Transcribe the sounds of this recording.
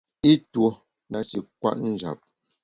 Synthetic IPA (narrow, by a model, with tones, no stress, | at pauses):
i˦two˦ | na˨t͡ʃi˨kwa̰˦ʔn̩˦˨d͡ʒa̰˨p̚